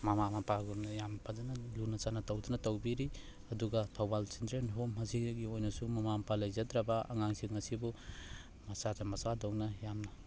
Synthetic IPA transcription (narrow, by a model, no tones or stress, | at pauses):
mamamapaɡumnɐjampʰazanɐlunɐt͡ʃanatɐwdunɐtɐwbiɾi | ɐduɡatʰawbalsindɾenɦomɦɐziɡiojnɐsumɐmampalɐjzadɾaba̰ːŋaŋsiŋɐsibu | mɐsazamɐsadoŋnɐjamnɐ